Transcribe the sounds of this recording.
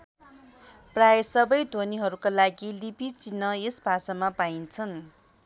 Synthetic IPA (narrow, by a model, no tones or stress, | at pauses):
prajesʌbʌjɖʱoniɦʌɾukalaɡilipit͡sinːʌesbʱasʌmapaint͡sʰʌn